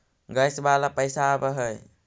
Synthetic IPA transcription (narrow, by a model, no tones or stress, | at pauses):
ɡəjsbalapəjsabaɦɯj